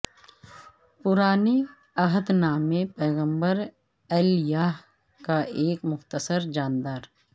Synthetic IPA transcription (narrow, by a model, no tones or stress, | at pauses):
pʊɾaːni | ɐɦəd̪naːmẽpɛːɣə̃mbəɾ | ɛljaːɦ | kaʔeːkmʊxt̪əsəɾd͡ʒaːnd̪aːɾ